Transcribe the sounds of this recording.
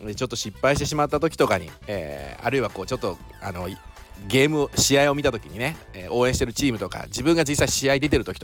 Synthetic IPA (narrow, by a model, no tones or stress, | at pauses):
d̪et͡ɕo̞t̪ːo̞ɕipːaiɕit̪e̞ɕ̬imat̪ːat̪o̞kʲi̥t̪o̞kaɲḭḛːa̰ɾɯ̟iβako̞ːt͡ɕo̞t̪ːo̞ | a̰no̞ | ɡe̞ːmɯ̟oɕiaio̞mʲit̪at̪o̞kʲiɲ̟ine̞ | eʔo̞ːẽɕi̥t̪e̞ɾɯ̟t͡ɕiːmɯ̟t̪o̞ka̰d͡ʑibɯ̟̃ŋɡaziːsːaiɕiaid̪e̞t̪̬e̞ɾɯ̟t̪okʲi̥t̪o